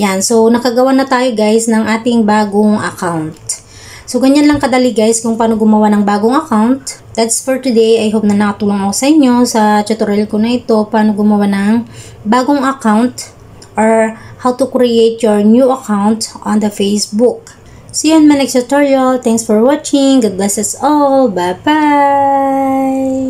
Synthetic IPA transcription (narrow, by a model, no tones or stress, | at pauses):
janso̞nɐkɐɡɐwanɐt̪aːjoɡajsnɐŋʔaːt̪ɪŋbaːɡoŋɐ̰kawnt̪̚ | soɡɐɲanlɐŋkɐd̪aliɡajskʊŋpaːnoɡʊmɐwanɐŋbaːɡoŋɐkawnt̪̚ | d̪at̪sfoɹt̪ʊd̪ejʔɐjɦop̚nɐnɐkɐt̪uːloŋɐko̞sɐʔɪɲːo̞sɐt͡ʃɐt̪oɾɛlkonɐʔɪt̪o̞paːno̞ɡʊmɐwanɐŋ | baːɡoŋɐkawnt̪ | ʔoɹhawt̪ʊkɾɪʔejt̪̚jɔɹnjuɐkawnt̪ʔɐ̃nd̪ɐfejsbuk̚ | sjonmɐnɛksɐt̪oɹjɐlt̪ɛŋksfɔɹwat͡ʃɪŋɡʊd̪̚blɛsɛsolbaba | j